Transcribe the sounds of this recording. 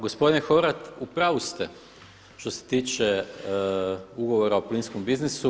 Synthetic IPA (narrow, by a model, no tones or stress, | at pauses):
ɡospo̞d̪inexoɾat̪upɾaʋust̪ɛ | ʃt̪o̞se̥t̪iːt͡ʃe | uɡo̞ʋoɾaopliːnskombiznisu